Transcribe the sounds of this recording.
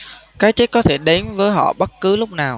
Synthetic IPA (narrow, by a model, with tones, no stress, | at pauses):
kaː˨˦jt͡ɕe˦˥t̚kɔ˨˦t̪ʰe˧˩ɗe˨˦nvəː˨˦jɦɔ̰˧˨ɓə˦˥t̚kɨ˨˦lʊ˦˥k͡p̚naː˨˩w